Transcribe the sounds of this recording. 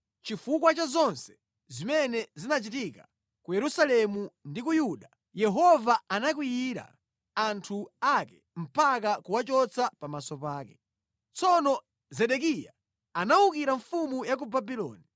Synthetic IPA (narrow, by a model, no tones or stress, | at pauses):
t͡ʃifuk̬wat͡ʃazɔnsɛ̥ | zimɛnɛzinat͡ʃitika | kujɛɾusalɛmundikujuɗa | jɛɦɔvaanak̬wijiɾa̰ | antʰuakɛ | m̩pak̬akuwat͡ʃɔt͡sapamasɔpaːkɛ | t͡sɔnɔ | zɛɗɛk̬ija | anaukiɾaɱfumujakubabilɔ̰ːni